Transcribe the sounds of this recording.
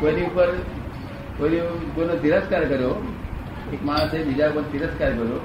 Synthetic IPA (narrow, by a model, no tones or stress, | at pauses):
kəniupəɾ | kəniɡonot̪iɾəskaɾkəɾo | ekmad̪ebid͡ʑakənt̪iɾəskaɾkəɾo